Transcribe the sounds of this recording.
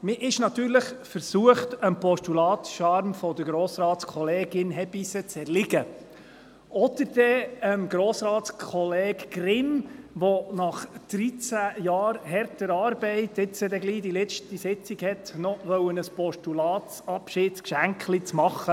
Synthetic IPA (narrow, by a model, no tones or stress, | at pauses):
mɪʔɪʃnɑt̪yːɾləχfəɾsuəχtəmpɔʃtulɑːtʃɑɾmfɔd̪əɾɡɾoːsɾɑːtskʰɔleːɡɪnɦɛbisət͡sɛɾlɪɡə | ʔɔd̪̥əɾd̥ɛəmɡɾoːsɾɑːtskʰɔleːɡɡrɪmʋɔnɑχd̪̥ɾit͡sæjɑːɾhɛɾtəɾɑːɾbɛɪtɪt͡sədɛɡliːdilɛt͡ʃtisɪt͡siɡhɛtnɔʋœwənəspɔʃtulɑːtsɑpʃɪdkʃæŋkχlit͡smɑχːə